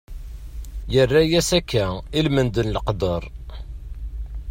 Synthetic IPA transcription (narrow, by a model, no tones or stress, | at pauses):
jərːæjæsækːæilmənd̪ənləqd̪əɾˤ